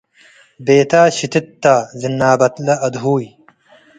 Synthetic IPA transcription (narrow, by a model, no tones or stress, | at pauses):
beːt̪aːɕit̪it̪ːaːzinːaːbɐt̪lɐʔɐd̪ɦuːj